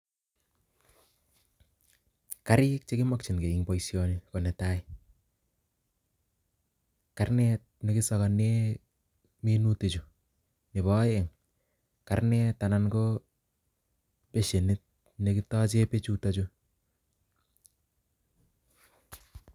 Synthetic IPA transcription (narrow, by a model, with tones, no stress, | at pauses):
ka˦ɾɪ˦k̚t͡ʃe˦kɪ˦mɔ˦k̚t͡ʃi˨nke˨i˦ŋpɔ˨isjoniko˨nɛ˨taɪ | ka˦rnɛtne˦kɪ˦sɔ˦kɔ˨ne | mi˦nu˦te˨t͡ʃu˨ | ne˨bɔ˦e˨ŋ | karnɛ˦tana˦nko | pe˦ʃe˨ni˦t̚ | neki˦tɔ˦t͡ʃe˦pe˦t͡ʃu˦ta˦t͡ʃu